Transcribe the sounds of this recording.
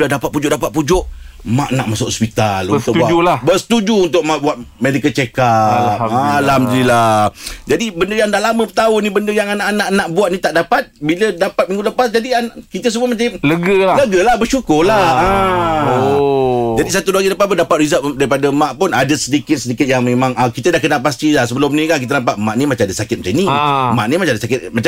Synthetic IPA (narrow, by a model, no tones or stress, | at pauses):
udadapat̪̚pud͡ʒʊʔ̚dapat̪̚pud͡ʒʊʔma̰ʔnaʔmasʊʔhɔspit̪a̰lut̪ʊkbaulabəsə̥t̪ud͡ʒuunt̪̬ʊʔ̚maʔbuat̪̚medikət͡ʃekapalamdiɾilad͡ʒadibəndəjaŋndahlamə̃pət̪aʊnibəndəjaŋanaʔanaʔnaʔbuat̪̚nit̪aʔdapat̪̚bilədapat̪̚mĩŋɡuləpasd͡ʒadiankit̪əs̬ubəmat͡ʃamləɡəlləɡəlahbəʃukʊlaa | d͡ʒadisat̪uduaɡiləpat̪p̬ʊndapat̪ɾizaʔdaɾipadəmãʔpʊnadəsədikɪt̪̚sədikɪt̪̚jaŋmẽmãŋʔəkit̪ədahkənalpast̪ilasəbəlʊmnikank̬it̪̬ənampat̪̚maʔnĩmat͡ʃaŋadəsakɪt̪̚mt͡ʃanimaʔnimat͡ʃãadəsakɪt̪̚mat͡ʃa